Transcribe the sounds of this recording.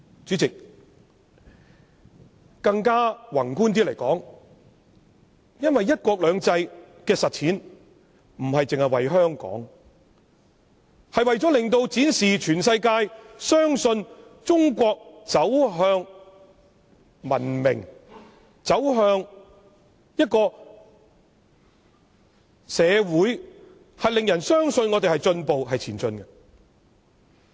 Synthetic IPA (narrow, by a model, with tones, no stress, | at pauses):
t͡syː˨˥t͡sɪ˨k̚ | kɐ˧ŋkaː˥wɐ˨˩nkuː˥nt̪̬iː˥le˨˩jkɔː˨˥ŋ | jɐ˥nwɐ˨jːɐ˥t̚kɔː˧k̚lœː˨˧ŋt͡sɐ˧jkɛː˧sɐ˨t̚t͡sʰiː˨˥n | m̩˨˩hɐ˨jt͡sɪ˨ŋhɐ˨jwɐ˨jɦœː˥ŋkɔ̰ː˨˥ŋ | hɐ˨jwɐ˨jt͡sɔ˨˥lɪ˨˩ŋt̪o˧wt͡siː˨˥nsiː˨t͡ʃʰyː˨˩nsɐ˧jkaː˧jsœː˥ŋsɵ˧nt͡sʊ˥ŋkʷɔː˧k̚t͡sɐ˨˥wɦœː˧ŋ | mɐ̰˨˩nmɪ̰˨˩ŋ | t͡sɐ˨˥wɦœː˧ŋ | jɐ˥t̚kɔː˧ | sɛː˨˧wuː˨˥j | hɐ˨jlɪ˨ŋjɐ˨˩nsœː˥ŋsɵ˧nŋɔː˨˧t̪e˨jhɐ˨jt͡sɵ˧npo˨wɦɐ˨jt͡sʰiː˨˩nt͡sɵ˧nɡɐ˧